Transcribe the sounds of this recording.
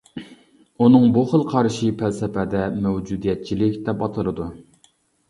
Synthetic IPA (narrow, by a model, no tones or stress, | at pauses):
unɨŋbuχəlˠqʰɑɾʃipʰælsɛpʰɛd̪ɛmɛwd͡ʒud̪ijɛt̪̚t͡ʃʰilɪkʲd̪ɛpɑt̪ʰɨlˠɨd̪u